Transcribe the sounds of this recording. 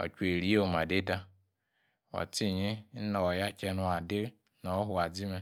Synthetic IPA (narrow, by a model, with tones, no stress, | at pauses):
o̰˨t͡ʃe˨ɾi˦o˦˨ma˨de˦da˦ | wa̰˨ti˦˨ɲi˦n̩˦nɔ˨ja˦t͡ʃe˦nu˨a˨dɪ˦ | nɔ˨˦ɦʊ˨a˨d͡zi˦me˦